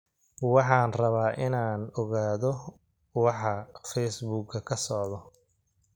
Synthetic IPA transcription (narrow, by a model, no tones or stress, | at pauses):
wɑħɑːnrɐβaːʔɪnaːnɔɣaːðɔ | wɑħɑfɛjsbuːɡkʰːɐkʰɐsɔʕðɔ